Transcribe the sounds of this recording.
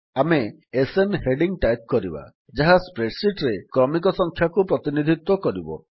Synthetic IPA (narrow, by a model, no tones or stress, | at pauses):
ameː | senheɖiŋʈajp̚kɔɾiba̰ | d͡ʒaɦaspɾeʈsiʈɾekɾɔmik̬ɔsɔŋkʰjakupɾɔt̪inid̪ʱit̪wɔkɔɾibɔ̰